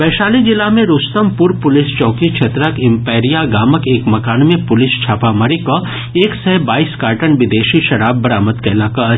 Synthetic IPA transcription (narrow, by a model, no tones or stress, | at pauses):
bɛːʃaːlid͡ʒɪlamẽɾʊst̪əmpʊɾpʊlɪst͡ʃɔ̃ːkikʃʰeːt̪ɾəkɪ̃mpeːɾijaɡaːməkeːkmɐkaːnmẽpʊlɪst͡ʃʰaːpaməɾiko | eːksɛɦbaːiːskaːɾʈənʋɪd̪eːʃiʃɐɾaːbːɐɾaːmət̪kɛlaːka